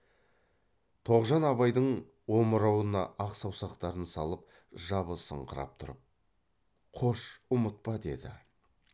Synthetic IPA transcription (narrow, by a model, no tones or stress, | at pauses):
t̪ʰo̞ʁʒɑnɑβɑjd̪əɴ | woməɾɑwənɑ̰ʔɑqsɑwsɑqt̪ɑɾənsɑlˠəp̚ | ʒɑβəsə̰ɴqʰəɾɑ̰p̚t̪ʰʊɾəp̚ | qʰo̞ʃʊmət̪̚pɑd̪e̞d̪ɪ̰